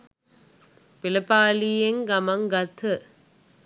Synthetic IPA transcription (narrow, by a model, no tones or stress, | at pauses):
pɪlɐpːaːlijeŋɡɐmɐŋɡɐt̪ʰɯ